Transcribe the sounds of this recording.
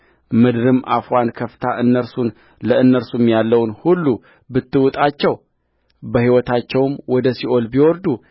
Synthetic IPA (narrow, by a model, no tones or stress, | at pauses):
mɨd̪ɾɨmʔafwankʰəft̪ʰaʔɨnːəɾsun | ləɨnːəɾsumjalːəwnhulːu | bɨt̪ːɨwʊt̪ʼat͡ʃːɛw | bəhiwɔt̪ʰat͡ʃːɛwɨmwɔd̪əsiʔolbiwɔɾd̪u